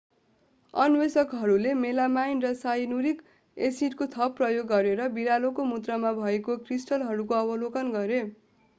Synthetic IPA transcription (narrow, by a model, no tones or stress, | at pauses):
ʌnwesʌkɦʌɾulemelamajnrʌsainuɾik | esiʈkot̪ʰʌpːrʌjoɡːʌɾeɾʌbiɾalokomud̪rʌmabʱʌekokrisʈʌlɦʌɾukoʌbʌlokʌnɡʌɾe